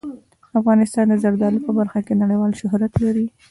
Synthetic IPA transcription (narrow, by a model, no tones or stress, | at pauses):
afɣɑnɪst̪ɑnd̪əzaɾd̪ɑlipəbaɾxakenaɽəjwɑlʃʊɦɾat̪laɾi